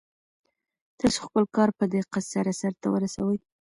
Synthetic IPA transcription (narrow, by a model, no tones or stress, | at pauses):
t̪ɑso̥xpəlkɑɾpəd̪eqasaɾasaɾt̪a̰wə̰ɾasawəj